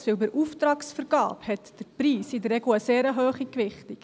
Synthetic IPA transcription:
sebəɾʔuftɾɑːksfəɾɡ̥ɑ̰ːphɛtd̥əɾpɾiːsɪdəɾrɛɡl̩əseːɾəɦøːχikʋɪχtik

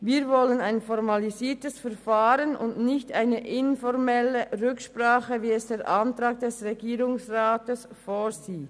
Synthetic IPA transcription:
viːvɔlənaɪnfɔʁmɑliziːtəsfɛʁfaːɾənʊ̰ndnɪçtaɪnəʔɪnfɔʁmɛləʁʏkʃpʁaːχəviːɛsd̥eːɾʔɑntʁaːɡ̚d̥ɛsʁɛɡiːʁʊŋsʁaːtəs | foːziː

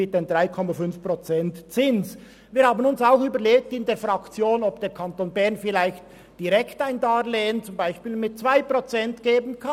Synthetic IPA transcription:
ɪt̚d̥endʁaɪkʰɔmafʏnfpʁot͡sɛntt͡sɪns | viːɐhaːbənʊnsaʊxyːbəleːk̚tɪndeːɐfʁɑkt͡sjoːnɔb̚d̥eːɾkʰɑntoːnbɛɐʁnfɪlaɪçt | d̥iʁɛktaɪndaːleːənt͡sʊmbaɪʃpiːlmɪt̚t͡sv̥aɪpʁot͡sɛntɡ̥eːbən̩kʰa

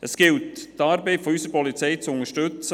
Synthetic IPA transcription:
ʔəsɡ̥ɪlttɑːɾbɛɪfɔysəɾpɔlit͡sɛjt͡sʊŋəʃtɵt͡sə

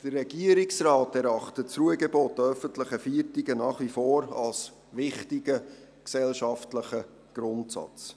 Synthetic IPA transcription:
d̥ərːɛɡ̥iəɾiksrɑːtɛɾɑχtətt͡sɾuəɡɛboːtœfəntləχəfiːtiɡənɑːχʋifoːɾɑ̰ls | ʋɪχtiɡə | ksɛlʃɑftləχə | ɡ̥ɾʊntsɑ̰t͡s

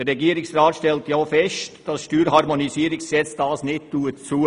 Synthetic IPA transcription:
ərːɛɡiːəɾɪksrɑːtʃtɛltjoːfɛstd̥ɑsʃtyːɾɦɑɾmonisiəɾɪksɛt͡sd̥ɑːsnɪt̚tuːətt͡suː

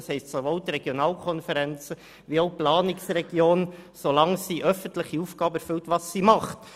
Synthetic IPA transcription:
shɛɪstsovoʊt̪rɛɡ̥jonɑːlkʰɔnfəɾɛnt͡sə | ʋioʊplɑːnɪksrɛɡ̥joːnsolɑŋsiʔœfəntlɪχiuːfɡ̥ɑːbəæɾfɵltʋɑsːimɑχt

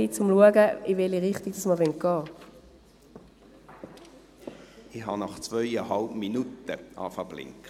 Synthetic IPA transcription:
it͡sʊmluəɡəɪvɛliʁɪχtiɡ̥̚d̥ɑsməʁʋɛnt̚ɡ̥ɑː | ɪɦɑnɑχt͡svœɪɛɦɑlpminutəɑ̰fɐb̥lɪ̰ŋk

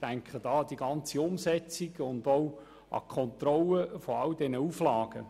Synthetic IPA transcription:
tæŋkχəd̥ɑːd̥̪iɡɑnt͡siʊmsɛt͡siɡ̥ʊndow | ʔɑ̰kʰχɔnt̪rɔləfɔɑldɛnəuflɑːɡ̥ə

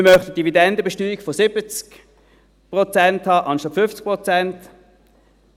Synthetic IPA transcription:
mɪmœχtət̚d̥ividɛndəbɛʃtyːiɡfosɪbət͡sk | pʁɔt͡sɛnthɑːʔɑnʃɑtfʏft͡sk̚pʁɔt͡sɛnt

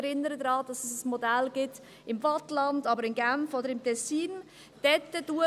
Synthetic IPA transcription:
ɾɪnːəɾədɾɑːd̥ɑsəsəsmodælɡ̥ɪt | ɪmvɑtlɑndɑbəɾɪmɡæmfodəɾɪmtʰɛsːiːn | d̥ɛtːəd̥uə

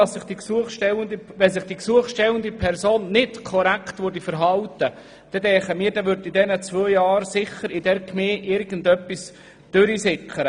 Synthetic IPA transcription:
ɑssɪχd̥iksuəχʃtɛwəndəʋɛns̬ɪχd̥iksuəχʃtɛwəndipʰɛɾsoːnːɪtkʰɔɾæktvʊɾd̥ifəɾɦɑltə | d̥ɛdɛχəmiːɾdɛʋʏɾdidɛnət͡svøːjɑːɾsɪχəɾɪdɛrkmeːʔɪɾɡ̥ən̩dœpːis | d̥øɾisɪkʰəɾə

